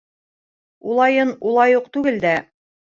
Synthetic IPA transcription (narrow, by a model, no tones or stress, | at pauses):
ulˠɑjɤnulˠɑjuq̚t̪ʉɡɘld̪æ